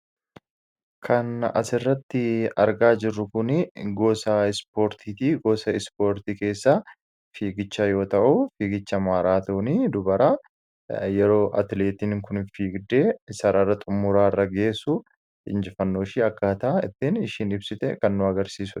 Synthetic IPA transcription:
kʰɐnɐ̰sɪrːɐt̪ːɪɐ̰ɾɡaːd͡ʒɪrːʊkʊnɪɡo̞ːsɐɪspo̞ːɾt̪ʰiːt̪iːɡo̞ːsɐɪspo̞ːɾt̪iːke̞ːsːa | fiːɡɪt͡ʃːajo̞ːt̪ɐʔʊfiːɡɪt͡ʃːɐmaːɾaːt̪oːniːd̪ʊbɐɾa | jɛɾo̞ːʔɐ̰t̪ɪle̞ːt̪iːnŋkʊnfiːɡd̪eːsɐɾarːɐt̪ʼʊmːʊɾaːɪrːɐɡe̞ːsʊ | ɪ̰nd͡ʒɪfɐnːoːʃɪːɐkːaːt̪ɐʔɐɪ̰t̪ːɪnɪʃiːnɪbsɪt̪ɛkɐnːʊɐɡɐɾsiːsʊ̥

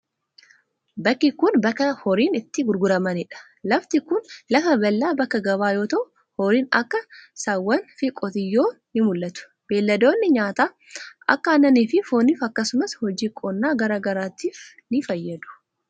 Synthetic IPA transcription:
bɐkːɪkʊnbɐkːɐhɔɾiːnɪt̪ːɪɡʊɾɡʊɾɐmɐnɪᶑɐ̥ | lɐft̪ɪkʊnlɐfɐbɐlːaːbɐkːɐɡɐbaːjo̞ːt̪ɐʔʊ | hɔɾiːnɐ̰kːɐsɐwːɐnfɪkʼɔt̪ɪjːo̞ːnɪmʊlːɐt̪ʊ̥ | b̥e̞ːlːɐd̪o̞ːnːɪɲaːt̪aː | ʔɐ̰kːɐɐnːɐniːfɪfoːniːfɐkːɐsʊmɐshɔd͡ʒiːkʼɔnːaːɡɐɾaːɡɐɾaːt̪iːf | nɪfɐjːɐd̪ʊ̥

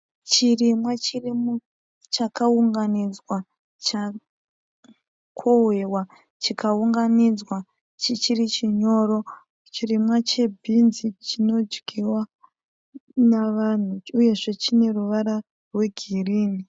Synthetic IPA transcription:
t͡ʃirimwat͡ʃirimu | t͡ʃakauŋɡanid͡zwa | t͡ʃa | kʰoɦwewa | t͡ʃikʰauŋɡanid͡zwa | t͡ʃit͡ʃirit͡ʃiɲo̞ɾo̞ | t͡ʃirimwat͡ʃe̞bʱinzit͡ʃino̞d͡ʒɡiwa | naʋan̤uuje̞ʐe̞t͡ʃine̞ruʋaɾa | rwe̞ɡʱiriːni

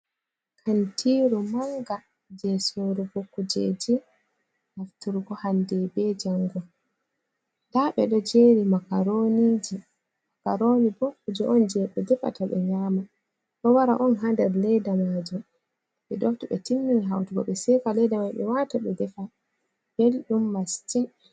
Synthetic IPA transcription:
kʰantʰiɾumaŋɡa | d͡ʒɛsoɾubokːud͡ʒed͡ʒi | haftuɾɡɔhandɛbɛd͡ʒaŋɡɔ | daɓɛ̰ɗɔd͡ʒeːɾimakaɾonid͡ʒi | akaɾonibokːud͡ʒɛʔɔnd͡ʒɛɓɛdɛfa̰taɓɛ̰ɲaːma | ɗɔwaɾa̰ʔɔnɦandɛɾlɛdamad͡ʒum | ɓɛɗɔftuɓɛ̰tinːiniɦawtuɡɔ̰ɓɛsɛfalɛdamajɓɛ̰wataɓɛdɛfa | b̥elɗumːastin

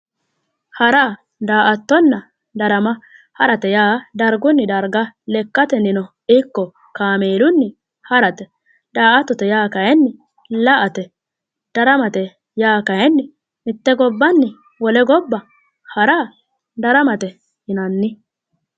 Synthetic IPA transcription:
hɐɾa | d̪aːʔɐt̪ːɔnːɐ | d̪ɐɾɐmɐ | hɐɾɐt̪ɛjaːd̪ɐɾɡʊnːɪd̪ɐɾɡɐlɛkːɐt̪ɛnɪnɔ | ɪkːɔ | kaːmeːlʊnːɪ | hɐɾɐt̪ɛ | d̪aːʔɐt̪ːɔt̪ɛjaːkɐjɛnːɪ | lɐʔɐt̪ɛ | d̪̥ɐɾɐmɐt̪ɛ | jaːkɐjɛnːɪ | mɪt̪ːɛɡɔbːɐnːɪ | wɔlɛɡɔbːɐ | hɐɾa | d̪ɐɾɐmɐt̪ɛ | hɪnɐnːɪ

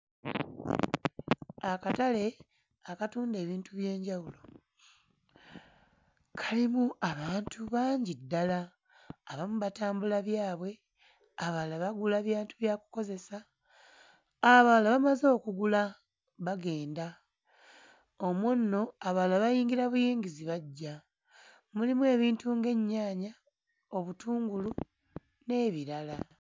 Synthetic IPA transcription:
akatale̞ | akatuːnde̞ːβiːntuβje̞ːɲɟawulo̞ | kʰalimuʔaβaːntʰuβaːɲɟidːalaː | βamuβataːmbulaβjaːβwe̞ | aβalaβaɡulaβjaːntuβjaːku̥ko̞ze̞sa | βalaβamazo̞ːkuɡula | βaɡe̞ːnda | o̞munːo̞aβalaβajiːŋɡiɾaβujiːŋɡiziβaɟːa | mulimuwe̞ːβiːntuŋɡe̞ɲːaːɲa | o̞βutuːŋɡulu | ne̞βiɾala

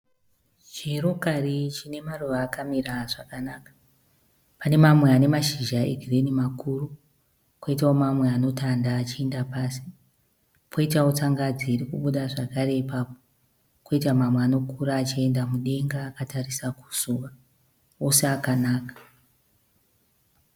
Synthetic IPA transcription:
t͡ʃero̞karit͡ʃine̞maruʋaːkamiraʐakanaːkḁ | pane̞mamwe̞ane̞maʃiʒaḛɡʱirenimakuru | kwo̞itaomamwe̞ano̞tandaːt͡ʃie̞ndapaːsi̥ | kʰo̞itaot͡saŋɡad͡ziːrikuɓuɗaʐakaɾe̞ipaːpo | ko̞itamamweaːno̞kuɾaːt͡ʃie̞ndamuɗe̞ŋɡaːkatarisaku̥z̥uʋa | o̞seakanaːkḁ

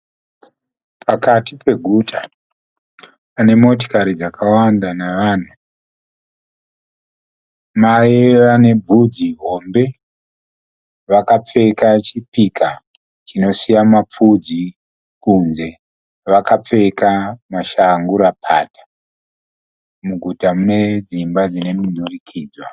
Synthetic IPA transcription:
pakatipe̞ɡʱutʰa | pane̞mo̞t̬o̥kaɾid͡zakʰawandanaʋaːn̤u | majeʋane̞bʱud͡ziɦo̞mbe̞ | ʋakap͡fe̞kat͡ʃipika | t͡ʃino̞sijamap͡fud͡zi | kunze̞ | ʋakap͡fe̞kamaʃaŋɡuɾapʰa̰tḁ | muɡʱutamune̞d͡zimbad͡zine̞munurikʰiːd͡zwa

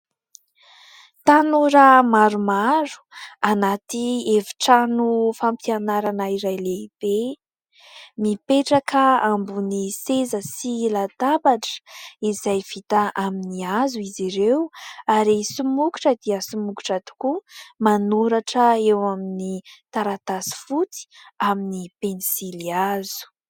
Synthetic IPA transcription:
t̪anuɾəmaɾumaɾu̥anat̪ievi̥ʈ͡ʂanufampianaɾanaiɾajleib̥e | mipeʈ͡ʂakʰəambunisezəsilat̪abaʈ͡ʂə̥izajv̥it̪aʔaminiazuiziɾewaɾisumuku̥ʈ͡ʂəd̪iəsumuku̥ʈ͡ʂad̪i̥kumanuɾaʈ͡ʂəewaminit̪aɾat̪asi̥fut͡si̥aminipenisiliazu̥

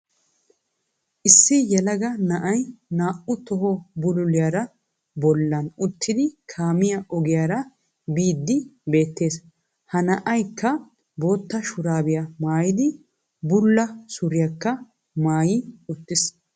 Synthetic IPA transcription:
ʔɪsːɪjɛlɐɡɐnɐʔɐjnaːʔʊt̪ɔɦɔbʊlʊlɪjaɾɐ | bɔlːɐnʊt̪ːɪd̪ɪkʰaːmɪjɐʔɔɡɪjaːɾɐ | biːd̪ːɪbe̞ːt̪ːe̞ːs | hɐnɐʔɐjkːɐ | bo̞ːt̪ːɐʃʊɾaːbɪjɐmaːjɪd̪ɪ | bʊlːɐsʊɾɪjɐkːɐ | maːjɪʊt̪ːɪs

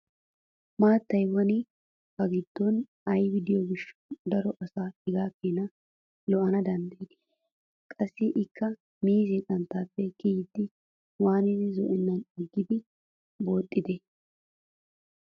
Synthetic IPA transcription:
maːt̪ːɐjwɔnɪ | bɐɡɪd̪̥ːɔn | ɐjwɪd̪ɪjɔɡɪʃːd̪ɐɾɔʔɐsaːɪɡaːkːeːnɐ | lɔʔɐnɐd̪ɐnd̪ɐjɪd̪ɛ̥ | kʼɐsːɪʔɪkːɐ | miːzɪk̪ʼɐnt̪ːaːpːɛkɪjɪd̪ːɪ | waːnɪd̪ɪzɔ̰ʔɪnːɐnɛɡːɪd̪ɪ | bo̞ːt̪ʼːɪd̪ɛ

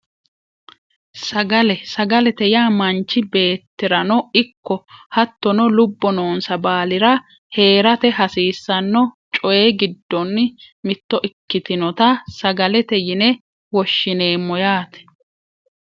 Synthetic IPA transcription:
sɐɡɐlɛsɐɡɐlɛt̪ɛjaːmɐnt͡ʃːɪbe̞ːt̪ːɪɾɐnɔɪkːɔhɐt̪ːɔnɔlʊbːɔno̞ːnsɐbaːlɪɾɐ | he̞ːɾɐt̪ɛɦɐsiːsːɐnːɔt͡ʃʼɔjeːɡɪd̪ːɔnːmɪt̪ːɔʔɪkːɪt̪ɪnɔt̪ɐsɐɡɐlɛt̪ɛjɪnɛ | wɔʃːɪne̞ːmɔjaːt̪ɛ̥

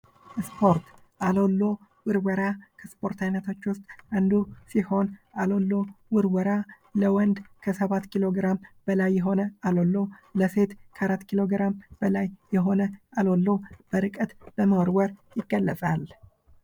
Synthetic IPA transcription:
spʰo̞ɾt̪ | ʔalo̞lːo̞ | wɨɾwəɾakʰəspʰo̞ɾt̪ʰajnət̪ʰot͡ʃːwʊst̪ʼand̪usiho̞nalo̞lːo̞wɨɾwəɾa | ləwɔnd̪kʰəsəβat̪ːkʰilo̞ɡɾamb̥əlajːɛɦo̞nəalo̞lːo̞ləse̞t̪kʰəʔaɾat̪ːkʰilo̞ɡɾamb̥əlajːɛɦo̞nəalo̞lːo̞b̥əɾɨkʼət̪bəmawɾwəɾjɪɡːəlːət͡sʼal

